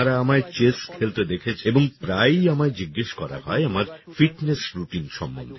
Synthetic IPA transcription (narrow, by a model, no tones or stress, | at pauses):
ɾaamaet͡ɕeskʰelt̪ed̪ekʰet͡ɕʰeboŋpɾajamad͡ʑiɡːeʃkɔɾa̰hɔ̰eamaɾfiʈnesɾuʈinʃɔ̰mbo̰nd̪ʱe